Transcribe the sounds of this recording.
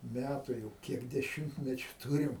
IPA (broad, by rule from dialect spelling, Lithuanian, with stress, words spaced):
ˈmʲætʊ jɛʊ ˈkʲiɛk dʲɛˈʃʲɪmʲtʲmʲɛt͡ʃʲʊ ˈtuːrʲɪm